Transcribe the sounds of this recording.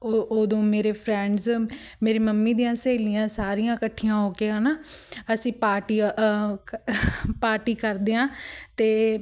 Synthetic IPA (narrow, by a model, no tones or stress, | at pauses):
ooːd̪õːmeːɾeːpʰɾɛ̃ːɳɖz | meːɾiːməmːiːd̪ijãːseːlijãːsaːɾijãːkəʈʰːijãːɦoːkeːãːnaːəsĩːpaːɾʈiː | paːɾʈiːkəɾd̪eːãːt̪eː